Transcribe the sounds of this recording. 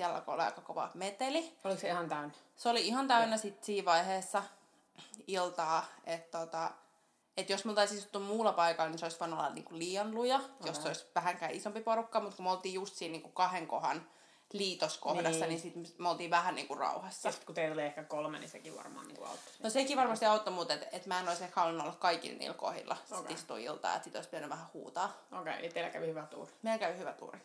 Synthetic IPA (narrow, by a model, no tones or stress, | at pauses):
iælːɑ̰ko̰o̰liɑ̰ikɑkoʋɑ̰met̪eliolikseihɑnt̪æynæseoliihɑnt̪æynæsit̪siːʋɑiheːsːɑ | ilt̪ɑːet̪tot̪ɑ | et̪josmult̪ɑisisut̪ːummuːlːɑpɑikɑlːniseoisʋoinuolːɑ̰nḭːŋkulliːɑnlujɑjosseoisʋæhæŋkæːisompiporukːɑmut̪kumolt̪iːjust̪siːniːŋkukɑheŋko̰hɑ̰n | liːt̪oskohdɑsːɑninsit̪mmeolt̪iːʋæhænnḭːŋkurrɑ̰uhɑsːɑst̪kut̪eioliehkækolmḛnḭsekiʋɑ̰rmɑ̰ːnḭŋkṵɑ̰ut̪ːo̥snosekiʋɑrmɑst̪iɑut̪ːomut̪et̪et̪mæenoisehhɑulinuolːɑkkɑikḭlnḭːlko̰hḭlːɑsiist̪ṵḭlt̪ɑ̰ːjḛt̪siːt̪o̰ispid̪ænyʋæhæhṵːt̪ɑːokḛit̪eilækæʋihyʋæt̪ṵːrimeilkæʋhyʋæt̪ṵːri